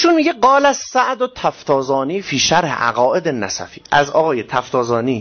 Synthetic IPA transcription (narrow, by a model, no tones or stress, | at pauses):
iʃunmiːɟeɡɒːlæssæʔd̪ot̪ʰæft̪ʰɒːzɒːniːfiːʃæɾhḛʔæ̰ɣɒːʔe̞d̪enːæsæ̰fi̥ːʔæzɒ̰ːɣɒːjet̪ʰæft̪ʰɒːzɒːniː